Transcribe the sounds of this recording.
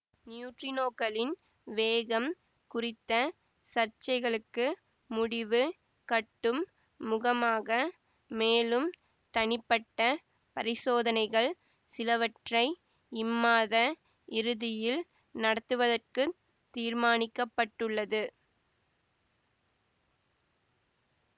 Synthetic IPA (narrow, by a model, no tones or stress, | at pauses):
njuːʈrɪnoːkɐlɪn | ʋeːɣɐm | kʊrɪt̪ːɐ | sɐrt͡ʃɐɪɣɐɭɯkːɯ | mʊɽɪʋɯ | kɐʈːɯmː | ʊɣɐmaːɣɐ | meːlɯm | t̪ɐnɪpːɐʈːɐ | pɐɾɪsoːðɐnɐɪɣɐɭ | sɪlɐʋɐʈrɐɪ | ɪmːaːðɐ | ɪɾɯðɪjɪl | nɐɽɐt̪ːɯʋɐðɐrkɯ | t̪ːiːɾmaːnɪkːɐpːɐʈːɯɭːɐðɯ